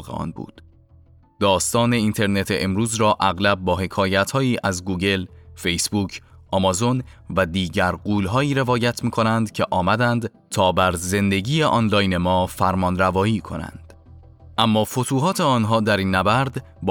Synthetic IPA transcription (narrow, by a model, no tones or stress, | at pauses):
ɣḛɒ̰ːnbṵːd̪̥ | d̪̥ɒːst̪ɒːne̞int̪ʰe̞ɾne̞t̪ʰeʔemɾuːzɾɒːʔæɣlæb̚bɒːɦe̞kʰɒːjæt̪hɒːiːʔæzɡuːɡe̞lfe̞jsbuːcʰʔɒmɒzo̞nvæd̪iːɟæɾɢuːlɦɒːiːɾe̞vɒːjæt̪ʰmiːkʰo̞nænd̪cʰe̞ʔɒːmæd̪ænd̪ | t̪ʰɒːbæɾze̞nd̪e̞ɟiːjeʔɒːnlɒːjnemɒːfæɾmɒːnɾævɒːiːkʰo̞̰næ̰nd̪̥ | ʔæmːɒːfo̞t̪ʰuːɦɒːt̪ʰe̞ɒːnɦɒːd̪æɾiːnːæbæɾd̪ | b